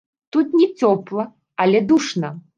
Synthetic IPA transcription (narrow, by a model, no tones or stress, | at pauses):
t̪ut̪nʲɛt͡sʲɔplˠɐ | ɐlʲɛd̪uʂnɐ